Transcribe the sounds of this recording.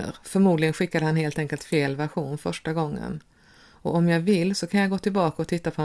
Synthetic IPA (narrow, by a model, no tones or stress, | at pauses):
ə̰ɾfœɾmuːd̪lɪɡənɧɪkːad̪əhanheːlt̪ɛŋkəlt̪feːlvæɾɧuːnfœʂʈaɡɔŋːə̰n | ɔɔmjɑːvɪlːsɔkʰanjaɡoːt̪ɪlbɑːkaɔt̪ʰɪt̪ːapʰɔ